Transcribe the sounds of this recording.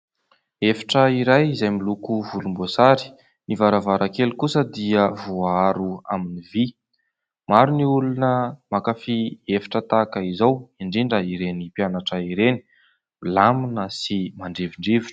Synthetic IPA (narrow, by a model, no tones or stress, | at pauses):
efi̥ʈ͡ʂəiɾajizajmilukuvulumbosaɾi̥ | nivaɾavaɾʔakelukusəd̪iəvoaɾua̰minivi | maɾuniulunəmakafiefi̥ʈ͡ʂət̪akaizawiɳɖ͡ʐiɳɖ͡ʐəiɾenipjanaʈ͡ʂəiɾeni̥ | mlaminəsimaɳɖ͡ʐeviɳɖ͡ʐeviʈ͡ʂə̥